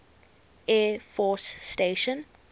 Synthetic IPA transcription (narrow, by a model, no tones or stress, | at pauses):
ɛfɔsːteʃə̃n